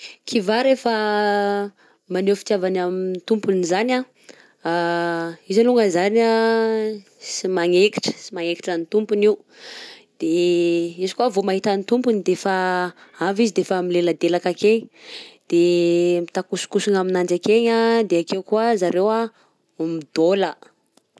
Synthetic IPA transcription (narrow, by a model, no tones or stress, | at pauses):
kʰivaɾefə | manewfi̥t̪javanamint̪umpunizanʲa | a | izaluŋɡəzana | simaŋeki̥ʈ͡ʂə̥simaŋekiʈ͡ʂanit̪umpuniu | d̪̥eizkuavomaɦit̪anit̪umpunid̪efaavizid̪efamileləd̪elakakeɲid̪̥emit̪akusu̥kusuŋaminand͡ʒakeɲad̪eakewkuazaɾewa | umid̪olə